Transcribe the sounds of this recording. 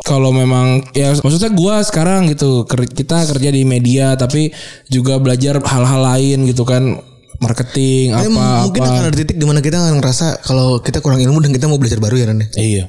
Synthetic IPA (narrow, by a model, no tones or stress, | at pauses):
kalomemaŋjamaksut̪ɲaɡuasə̥kaɾaŋɡit̪ukərkit̪akərd͡ʒadimediat̪apid͡ʒuɡabəlad͡ʒarhalɦalaɪnɡit̪̬ukan | markət̪ɪŋaamːuŋkɪnpnaanart̪it̪ɪk̚dimanakit̪akanŋəɾasakalokit̪akuɾaŋilmudankit̪̬amawbəlad͡ʒarbaɾujaɾanɪija